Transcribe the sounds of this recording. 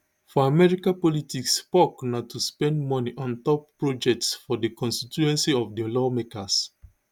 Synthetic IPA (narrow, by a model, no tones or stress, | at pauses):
fɔamɛɹikãpɔlitikspɔknatʰuspɛ̃ndmɔniʔɔ̃ntɔpːɹɔd͡ʒɛk̚tsfɔdəkʰɔ̃nstituɛ̃nsiɔvdilɔmekas